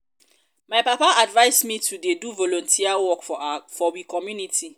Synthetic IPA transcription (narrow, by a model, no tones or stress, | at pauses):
maɪpapaʔadvaɪsmĩtʰudeduvolɔ̃ntʰiawɔkfɔbikʰɔmjũnitʰi